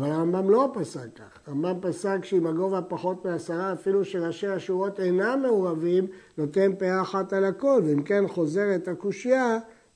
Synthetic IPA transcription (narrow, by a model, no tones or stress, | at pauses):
avalaʁambamlo̞pasakaχaʁambampasakʃeimaɡo̞vhapaχo̞t̪measaʁaːfiluʃelaʃeaʃuʁo̞t̪e̞name̞oʁavimno̞t̪e̞npeaːχatalako̞lveimke̞nχo̞ze̞ʁet̪akuʃija